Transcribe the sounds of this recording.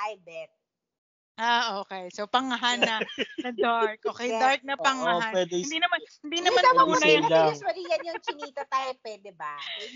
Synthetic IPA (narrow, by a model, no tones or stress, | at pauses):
ʔajbɛt̪̚ | ʔaʔoːkɛjsopɐŋɐɦanːɐnɐd̪aɹk̚ʔokɛjd̪aɹk̚nɐpɐŋɐɦawɛd̪ɛnd̪inɐmanhɪnd̪iːnɐmanɐuɛjlasmɐliːjɐnjʊkɪniːt̪ɐt̪aːjopwɛːd̪ɛba